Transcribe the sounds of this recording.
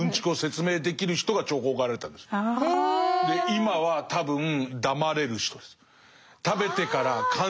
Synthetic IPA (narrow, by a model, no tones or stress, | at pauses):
ɯ̃ɲ̟t͡ɕi̥kɯo̞se̞t͡sɨme̞ːd̪e̞kʲiɾɯ̟çi̥t̪o̞ɡat͡ɕo̞ːko̞ːɡaɾaɾet̪ã̰nd̪esɨ̥ne | d̪eimaβat̪abɯ̟̃ŋd̪amaɾe̞ɾɯ̟ɕi̥t̪o̞d̪̥e̞sɨ̥ | t̪abe̞t̪e̞kaɾakʰã